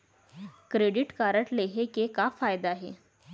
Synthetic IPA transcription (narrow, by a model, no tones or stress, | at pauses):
kɾeɽiʈkaɾəʈleɦekekafajd̪aːɦe